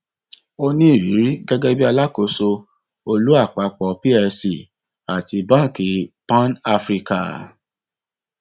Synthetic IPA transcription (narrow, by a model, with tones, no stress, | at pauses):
o˧nĩ˦i˦˨ɾi˨˦ɾi˦ɡɛ˦ɡɛ˦bi˦a˧la˦ko˨˦so˧ | o˧lu˦a˦˨k͡pa˧k͡pɔ˨pi˦ɛ˧si˨ | a˨ti˧bã˦˨ki˨˧pã˦na˧fɾi˧ka̰˨